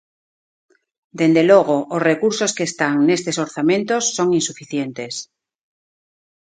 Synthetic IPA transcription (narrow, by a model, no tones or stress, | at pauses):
d̪end̪eloɣ̞oʔːsrekuɾsoskeːst̪aŋnest̪esoɾθamẽnt̪osːoŋinsufiθjent̪es